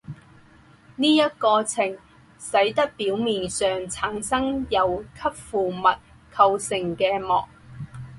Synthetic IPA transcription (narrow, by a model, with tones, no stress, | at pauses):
niː˥jɐ˥t̚kɔː˧t͡sʰɪ˨˩ŋ | sɐ˨˥jt̪ɐ˥k̚piː˨˥wmiː˨˩nsœː˨ŋt͡sʰaː˨˥ŋsɐ˥ŋjɐ˨˧wkʰɐ˥p̚fuː˨mɐ˨t̚ | kʰɐ˧wsɪ˨˩ŋkɛː˧mɔː˨˩k̚